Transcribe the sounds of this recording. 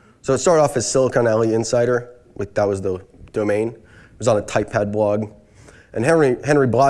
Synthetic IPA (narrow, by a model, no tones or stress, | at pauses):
soʊətstɑɹɾɔfɨz̥sɪlˠəkʰə̃nɛlˠiɪ̃nsaɪɾə˞ | ʔak̚ðət̚wʌzðəd̥oʊmẽɪ̃n | iwʌzn̩ətʰaɪpʰæd̚blɔɡ | ʔɨ̃nɛiɦɛ̃nɹiblɑ